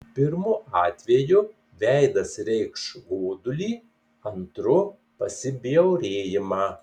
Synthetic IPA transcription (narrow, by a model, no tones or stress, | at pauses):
pʲɪɾmʊɑːt̪ʲʋʲeːjʊ | ʋʲɛɪd̪ɐsɾʲɛɪkʃɡoːd̪ʊlʲiː | ɐnt̪ɾʊ | pɐsʲɪbʲɪjɛʊɾʲeːjɪmɑː